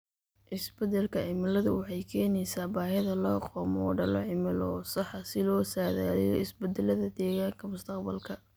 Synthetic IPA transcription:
ʔɪsbɛd̪ɛlkʰɐʕɪmɪlɐðʊwɑħɑjkʰɛːnɛjsaːbaːɦɪðɐlɔːqʰɔːmɔːɖɐlɔʕɪmɪlɔsɑħɑsɪlɔːsaːða̰ːðɛjɔ̰ɪsbɛd̪ɛlɐðɐd̪ɛːɣaːŋkʰɐmʊst̪ʰɐqbɐlkʰɐ

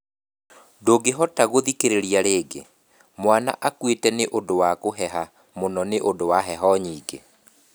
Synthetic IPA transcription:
doɡeɦɔtaɣoðikeɾeɾiaɾeːɡe | mwana̰ʔakwetɛneʔondowakoɦɛɦa | monɔneʔodowaɦɛɦɔɲiːɡe

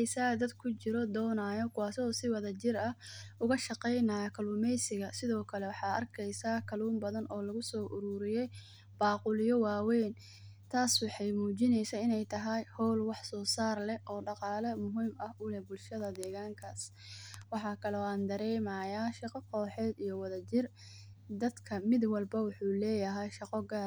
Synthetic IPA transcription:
ɛjsaːd̪ɐd̪kʰʊt͡ʃɪɾɔd̪ɔːnaːjɔkʰʊwaːsɔːsɪwɐðɐt͡ʃɪɾɐʔʊɣɐʃɑqɛjnɐjɐkʰɐluːmɛjsɪɣɐsɪðɔːkʰɐlɛwɑħɑːʔɐ̰rkʰɛjsaːkʰɐluːmbɐðɐnʔɔːlɐɣʊsɔːʔʊɾuːɾɪjɛj | b̥ɑːqʊlɪjɔwɑːwɛjn | t̪ʰaːswɑħɑjmuːt͡ʃɪnɛjsɐɪnɛjt̪ʰɐɦɐjhɔwlwɑħsɔːsaːrlɛʔɔːɖɑqɑːlɐmʊɦiːmɐhʊlɛbʊlʃɐðɐd̪ɛːɣaːŋkʰaːs | wɑħɑːkʰɐlɔːaːnd̪ɐɾɛːmaːjaːʃɑqɔqʰɔːħɛːd̪ijɔwɐðɐt͡ʃɪr | d̪ɐd̪kʰɐmɪd̪wɐlbɐwʊħuːlɛːjɐɦɛjʃɑqɔɡaːɾ

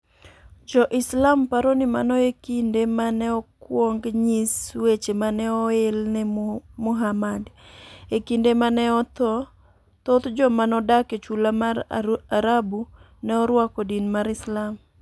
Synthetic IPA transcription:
d͡ʒɔʔɪslampaɾonimanɔekindemanɛɔkwɔŋɡɲiswet͡ʃemanɛɔelnɛmʊɦamadekindemanɛɔt̪ɔ | t̪ot̪d͡ʒɔmanɔdaket͡ʃulamaaɾabu | nɛɔɾwakɔdinmaɾɪslam

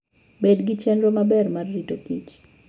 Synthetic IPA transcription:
bedɡit͡ʃɛndɾomabɛrmarːitokit͡ʃ

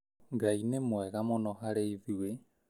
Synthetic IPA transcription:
ŋɡainemwɛɣamonɔɦaɾeiðiwe

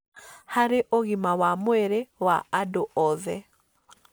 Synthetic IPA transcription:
haɾɪʔoɣimawamwɛɾɛwaadoɔðɛ

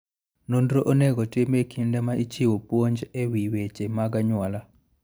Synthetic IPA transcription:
nondɾoʔoneɡɔtɪmekʰindɛmaʔit͡ʃiwopwoɲd͡ʒewiwet͡ʃemaɡaɲwala

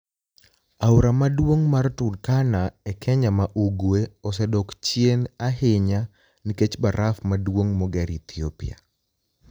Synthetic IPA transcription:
awɾamadwoŋmartʊdkanaɛkʰɛɲamaʔuɡweɔs̬ɛdɔkt͡ʃjenaɦɪɲa | niket͡ʃbaɾʔafmadwoŋmɔɡɛɾit̪iopia̰

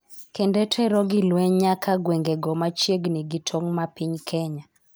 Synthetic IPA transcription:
kɛndɛtʰɛɾɔɡilwɛɲakʰaɡweŋɡɛɡɔmat͡ʃjeɡniɡitʰɔŋmapiɲkʰɛɲa

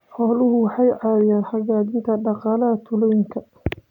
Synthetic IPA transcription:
ħɔːlʊɦʊwɑħɑjʕɑːðɪjaːnħɑɣaːðɪnt̪ʰɐɖɑqɑːlɐɦɐt̪ʰʊlɔwɪŋkʰɐ

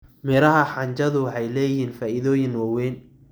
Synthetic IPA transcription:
mɪɾɐɦɐħɑɲt͡ʃɐðʊwħɑjlɛːjɪɦiːnfaːʔɪðɔːjɪnwɑwɛːn

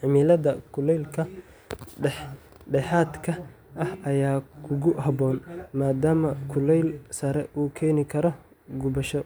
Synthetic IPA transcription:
ʕɪmilɐðɐkʰʊlɛjlkʰɐ | ɖɛħ | ɖɛħaːd̪kʰɐ | ʔɐhɐjaːkʰʊɣʊhɐbɔːnmaːd̪aːmɐkʰʊlɛjlsɐɾɛ̰uːkʰɛːnɪkʰɐɾɔ | ɡʊbɐʃɔ

